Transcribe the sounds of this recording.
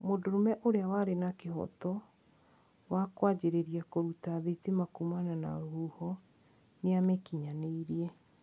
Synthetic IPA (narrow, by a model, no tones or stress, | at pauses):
modoɾomɛʔoɾeawaɾenakehɔ̰tɔ | wakwad͡ʑeɾeɾiakoɾutaðetemakumanana̰ɾohuhɔ | neamɛkiɲaneiɾiɛ